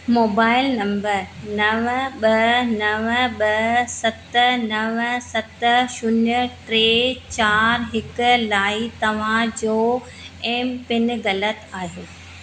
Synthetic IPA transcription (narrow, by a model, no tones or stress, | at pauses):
moːbaːɪlnɐ̃mbəɾnɐʋəɓɐnɐʋəɓɐsɐt̪nɐʋsɐt̪ʃʊnʊʈɾeːt͡ɕaːɾɦɪkʊ̆laːit̪ɐʋ̤ãd͡ʑoː | eːmpɪn̆ɣɐlət̪aːɦijoː